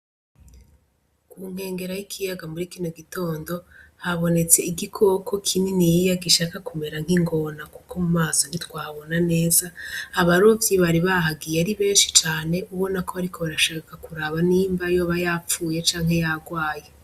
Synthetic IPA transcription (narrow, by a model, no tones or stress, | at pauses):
kuŋ̥he̞ːŋɡe̞ɾajikʰijaɡamuɾikino̞ɡito̞ːndo̞haβo̞ne̞t͡se̞iɡikʰo̞ko̞kʰininijijaɡiʃaːkakume̞ɾaŋhiŋɡo̞naku̥kʰo̞mumaːzonitwaːβo̞nane̞ːzaːβaɾovjiβaɾiβaɦaɡijeaɾiβe̞ːnʃi̥t͡ʃaːne̞ʔuβo̞nakʰoβaɾikʰo̞βaɾaʃaːkakakuɾaβaniːmbajo̞ːβajaːp͡fuːje̞t͡ʃaːŋ̥he̞jaɡwaːje